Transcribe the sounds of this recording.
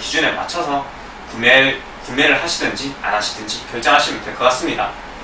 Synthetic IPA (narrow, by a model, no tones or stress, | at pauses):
kid͡ʑune̞ma̰t͡ɕʰʌsʰʌ | e | kunme̞ɾɯɭhaɕʰidɯnd͡ʑia̰naɕʰi̥dɯnd͡ʑikjʌɭt͡ɕ͈ʌŋɦaɕʰimɯntek͈ʌɡ͈as͈ɯmɲida̰